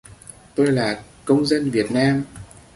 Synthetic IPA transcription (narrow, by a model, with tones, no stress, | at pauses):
t̪o˧jlaː˨˩ | kə˧wŋ͡mzə˧nvi˨˩ət̚naː˧m